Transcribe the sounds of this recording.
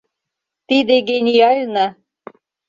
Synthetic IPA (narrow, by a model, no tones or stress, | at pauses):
t̪id̪eɡenʲijalʲna